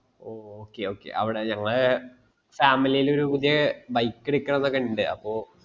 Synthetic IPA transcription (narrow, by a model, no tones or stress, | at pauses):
oːoːkːeo̞ːkːe̞̰ʔɐ̰ʋiɽeɲɐŋːɐɭ | faːmilijilo̞ɾupud̪ijɐbɐjkːeɽikʲːɐnenːɐkɐɳɖɨʔɐ̰pːo̞ː